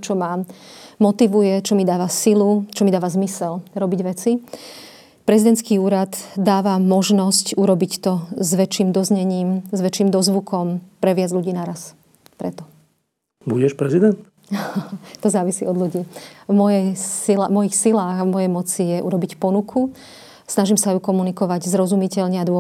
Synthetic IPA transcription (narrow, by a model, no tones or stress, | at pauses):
t͡ʃɔmamɔt̪iʋujɛt͡ʃɔmid̪aːʋasilut͡ʃɔmid̪aːʋazmisɛlɾɔbiɟʋɛt͡si | pɾɛzid̪ɛnt̪skiːuːɾad̪d̪aːʋamɔʒnɔscuɾɔbict̪ɔzʋɛt͡ʃiːmd̪ɔzɲɛɲiːmzʋɛt͡ʃiːmd̪ɔzʋukɔmpɾɛʋɪad͡zʎuɟiːnaɾas | pɾɛt̪ɔ | buɟɛʃpɾɛzid̪ɛnt̪ | t̪ɔzaːʋisḭːɔd̪lʎuɟiːvmɔjɛjsilamɔjixsilaːɣavmɔjɛjmɔt͡sijɛʔṵɾɔbicpɔnukʰu | snaʒimsajukɔmunikɔʋaɟzɾɔzumicɛʎɲɛad̪ʊɔ